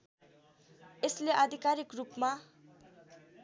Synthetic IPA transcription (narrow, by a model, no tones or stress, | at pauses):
esleʔad̪ʱikaɾikrupma